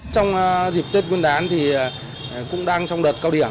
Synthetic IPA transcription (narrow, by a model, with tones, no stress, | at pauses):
t͡ɕɔ˧wŋ͡mzi˨˩p̚t̪e˦˥t̚ŋwi˧ənɗaː˨˦nt̪ʰi˨˩ | kʊ̰˧˥ŋ͡mɗaː˧ŋt͡ɕɔ˧wŋ͡mɗəː˨˩t̚kaː˧wɗi˧˩ə